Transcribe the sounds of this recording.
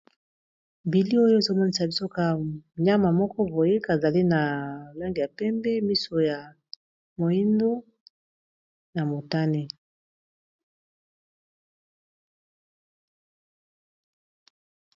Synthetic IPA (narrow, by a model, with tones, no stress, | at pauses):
bi˨li˦o˦jo˦e˨zo˦mɔ˦ni˨sa˨bi˦so˦ka˦ɲa˦ma˨mɔ˦kɔ˦bo˨je˦ka˨za˨li˦na˨la˦ŋɡi˨ja˨pɛ˦mbɛ˦mi˦so˨ja˨ | mo˨ji˦ndo˦ | na˨mo˨ta˦ne˦